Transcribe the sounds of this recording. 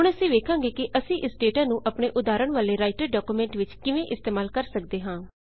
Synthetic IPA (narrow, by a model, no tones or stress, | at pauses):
ɦɦʊɽəsĩːʋeːkʰãːŋɡeːkɪʔəsĩːʔɪsɖeːʈãːnũːʔəpɳeːʔʊd̪aːɾəɳʋaːleːɾaːɪʈəɾɖaːkuːmẽːɳʈʋɪt͡ʃkɪʋẽːʔɪst̪eːmaːlkəɾsək̚d̪eːɦãː